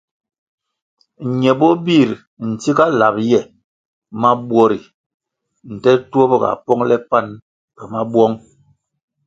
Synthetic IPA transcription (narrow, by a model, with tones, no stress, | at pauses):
ɲɛ˨bɔ˦bi˦˨ɾ | n̩˨ti˦ka˦la˨p̚jɛ˦˨ | ma˦bwɔ˦ɾi˨ | n̩˨tɛ˦tu˦o˦bɔ˦˨ɡa̰˨pɔ˦ŋlɛ˦pa˦˨n | pɛ˨ma˦bwɔ˦ŋ